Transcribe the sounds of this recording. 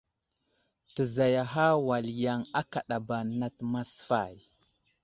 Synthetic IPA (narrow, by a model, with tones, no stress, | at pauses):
tə˨za˨ja˨ɦa˦wa˨lja˨ŋa˦ka˨ɗa˨ba˨na˦tma˦sfa̰˨j